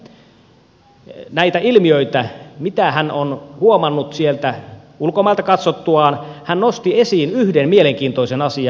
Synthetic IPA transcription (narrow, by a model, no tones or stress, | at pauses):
næit̪æilmiøit̪æmit̪æhænonhuomɑnːut̪sielt̪æ | ulkomɑːlt̪ɑkɑt̪sot̪ːuɑːnhænnost̪iesiːnyhdenmieleŋk̟iːnt̪oisenɑsiɑ